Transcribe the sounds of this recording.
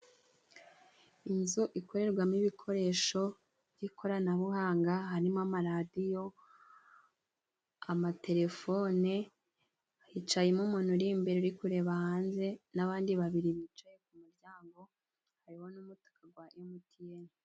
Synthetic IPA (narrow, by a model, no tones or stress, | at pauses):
inzuʔiko̞ɾe̞ɾɡwamiβikʰo̞ɾe̞ʃo̞ | jikʰo̞ɾanaβuɦaːŋɡaɦaɾimamaɾadijo̞ | amate̞ɾe̞fo̞ne | ahit͡ʃajemumuːn̥huɾiːmbeɾuɾikuɾe̞βahaːnze̞naβaːndiβaβiɾiβit͡ʃaje̞k̚umuɾɟaːŋɡo̞ | haɾiho̞numutḁkaɡwajomutʰijeni